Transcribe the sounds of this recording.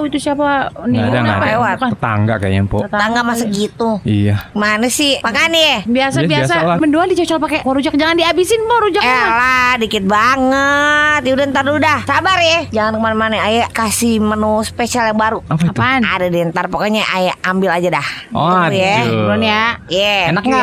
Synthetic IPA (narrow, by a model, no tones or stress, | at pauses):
it̪usiapaninaapewat̪at̪a̰ŋɡaka̰jɛ̰mpo̰aŋɡamasaɡit̪uijamanəsɪmakanɛbiasabiasaməndoadit͡ʃɔt͡ʃɔlpakɛaɾud͡ʒak̚d͡ʒaŋandiabisɪnpɔɾud͡ʒakɛladikɪt̪̚baŋət̪judɛnt̪arudahsabarjad͡ʒaŋankəmanəmanəajakasimənuspesialjaŋbaɾuapat̪ana̰dadiɛnt̪arpakaɲaʔajaambɪlad͡ʒadahujaɾɔnjajaenakŋa